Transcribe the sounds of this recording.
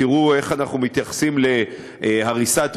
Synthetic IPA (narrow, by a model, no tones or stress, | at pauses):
iʁue̞χanaχnumit̪jaχḁsimle | haʁisat̪